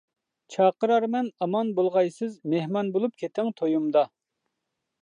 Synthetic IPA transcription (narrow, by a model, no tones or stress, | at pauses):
t͡ʃʰɑːqəɾɑɾmɛnɑmɑnbolˠʁɑjsɪzmehmɑnbolˠup̚kʲʰet̪ʰɪŋt̪ʰojumd̪ɑ